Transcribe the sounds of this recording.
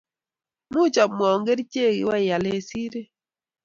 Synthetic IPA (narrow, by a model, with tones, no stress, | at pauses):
mu˦t͡ʃa˨m˨ɔ˨ŋɡe˦ɾi˦t͡ʃe˦˨ɡḭ˨wa˦˨ja˨le˨si˦ɾe˦